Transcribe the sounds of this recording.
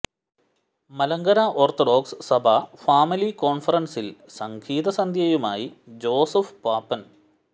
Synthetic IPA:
mɐlɐŋɡɐɾaʔoːrt̪oɖo̞ːkssɐbʱɐfaːmiliko̞ːɳfɐrɐnsilsɐŋɡʰʱiːðɐsɐnd̪ʱjɐjumaːjid͡ʑo̞ːsɐfpaːpːɐn

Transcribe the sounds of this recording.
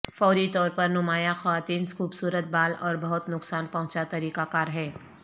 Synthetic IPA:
fɔːɾit̪ɔːɾpɐɾnʊmaːjaxɔʋaːt̪iːnsxuːbsuːɾət̪̚baːlɔːɾbɐɦʊt̪nʊksaːnpɐ̃ɦʊ̃t͡ʃat̪ɐɾiːkakaːɾɦɛː

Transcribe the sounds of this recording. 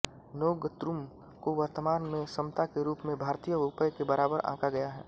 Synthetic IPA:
noːɡət̪ɾum | koʋəɾt̪əmaːnmẽsɐmt̪akeɾuːpmẽbʱaːɾt̪ijəʊpəjkebɐɾaːbəɾʔã̰ːkaɡɐjaɦɛː

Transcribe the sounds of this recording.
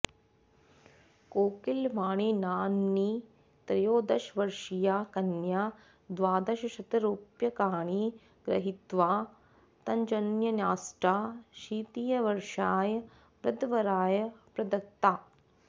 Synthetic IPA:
koːkilʋaːɳinaːnːi | t̪ɾɐjoːd̪ɐʃʋɐɾʂijaːkɐnjaː | d̪ʋaːd̪ɐʃɐʃɐt̪ɐɾuːpjɐkaːɳi | ɡɾɐ̰ɦit̪ʋaː | t̪ɐɲd͡ʒɐnjɐnjaːsʈaːʃiːt̪ijɐʋɐɾʂaːjɐ | pɾɐd̪ʋɐɾaːjɐpɾɐd̪ɐk̚t̪aː

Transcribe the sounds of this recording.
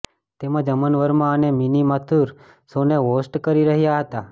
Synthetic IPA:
t̪emãd͡ʒəmənʋəɾmãəneminimat̪ʰuɾ | soneʋosʈkəɾiɾəɦjaɦət̪a

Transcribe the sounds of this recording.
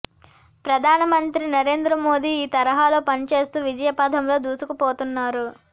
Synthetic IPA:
pɾɐd̪ʱaːnɐmɐnt̪ɾinɐɾe̞ːnd̪ɾɐmo̞ːd̪iiːt̪ɐɾɐɦaːlo̞ːpɐnit͡ʃe̞ːst̪uːʋid͡ʒɐjɐpaːd̪ʱɐmlo̞ːd̪uːsukɐpo̞ːt̪unːaːɾu

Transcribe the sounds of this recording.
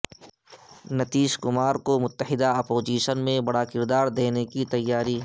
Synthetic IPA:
nɐt̪iːʃkʊmaːɾkomʊt̪ːəɦɪd̪aɐpoːd͡ʒiːʃənmẽbɐɽakɪɾd̪aːɾd̪eːnekit̪ɐjːaːɾiː

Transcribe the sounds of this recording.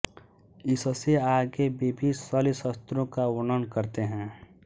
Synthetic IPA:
ɪsseaːɡebebʱisəlisəst̪ɾõkaʊnənkəɾt̪eɦɛ̃ː

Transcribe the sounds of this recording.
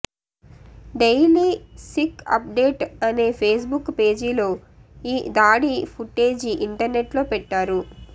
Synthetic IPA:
ɖejliːsikːɐ̰p̚ɖeːʈɐne̞ːpʰe̞ːs̬bukːpe̞ːd͡ʒilo̞ː | iːd̪aːɽipʰuʈːeːd͡ʒiiɳʈɐɾneʈlo̞ːpɛʈːaːɾu

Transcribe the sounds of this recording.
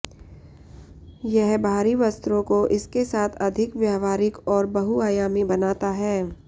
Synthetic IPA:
jɛɦbʱaːɾiʋɐst̪ɾõkoʔɪskesaːt̪ʰɐd̪ʱɪkʋjɛːʋaːɾɪkɔːɾbɐɦuaːjaːmibɐnaːt̪aɦɛː

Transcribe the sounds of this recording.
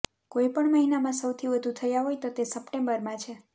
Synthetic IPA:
kojpəɳməɦinamãsəwt̪ʰiʋəd̪ʱut̪ʰəjaɦojt̪ot̪esəpʈembəɾmãt͡ʃʰe

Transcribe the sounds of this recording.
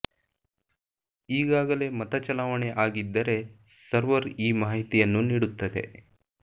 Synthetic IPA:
iːɡaːɡɐle̞mɐt̪ɐt͡ʃɐlaːʋɐɳeʔaːɡid̪ːɐɾe̞ | sɐɾʋɐɾiːmaːɦit̪ijɐnːuniːɽut̪ːɐd̪e̞̰

